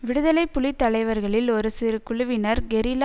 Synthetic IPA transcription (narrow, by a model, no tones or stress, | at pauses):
ʋɪɽɯðɐlɐɪpːʊlɪt̪ːɐlɐɪʋɐɾɣɐɭɪlɔɾɯsɪɾɯkʊɭʊʋɪnɐɾɡɛɾil